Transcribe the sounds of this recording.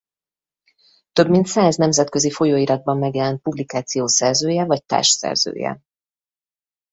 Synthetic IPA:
t̪ø̞bmint̪saːznɛmzɛt̪kø̞zifo̞joːiɾɒd̪̚bɒmːɛɡjɛlɛnt̪̚publikaːt̪sijoːsɛrzøːjɛvɒc̚t̪a̰ːʃsɛ̰rz̥ø̰ːjɛ̰

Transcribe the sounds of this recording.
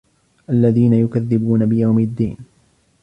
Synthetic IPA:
ʔalːaðiːnajʊkaðːɪbuːnabɪjawmɪd̪ːḭːn

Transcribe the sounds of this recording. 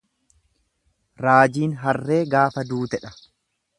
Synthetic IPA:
ɾaːd͡ʒiːnɦɐrːe̞ːɡaːfɐd̪uːt̪ɛᶑɐ̥

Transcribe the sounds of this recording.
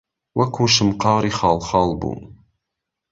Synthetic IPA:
wakuːʃəmqɑːɾixɑːlxɑːlbṵ

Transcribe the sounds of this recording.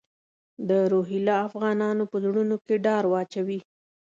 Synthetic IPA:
d̪əɾoɦilɑafɣɑnɑnopəzɽunokeɖɑɾwɑt͡ʃawi

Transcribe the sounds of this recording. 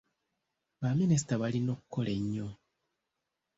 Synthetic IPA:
βaminis̬i̥taβalino̞ːkukːo̞leɲːo

